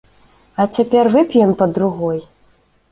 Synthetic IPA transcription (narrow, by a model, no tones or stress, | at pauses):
ɐt͡sʲapʲɛrvɨpʲjɛmpɐd̪ɾuɣɔj